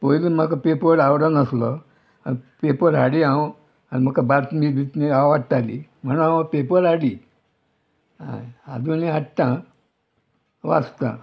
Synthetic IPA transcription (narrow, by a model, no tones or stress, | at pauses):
pɔjlim̤əkapepəɾawɽənəslɔ | anipepəɾɦaɽiã | anim̤əkabaɾt̪mibʱit̪neaʋaʈt̪alḭm̤ənãpepəɾaɽi | a̰a̰d̪uniaʈt̪ã | ʋa̰st̪ã̰